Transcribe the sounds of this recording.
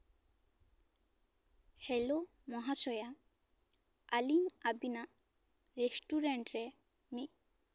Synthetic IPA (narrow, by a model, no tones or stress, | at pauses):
helo | mɔɦasɔja | aliŋabinaʔ | ɹesʈuɾɛɳʈɹɛ | mi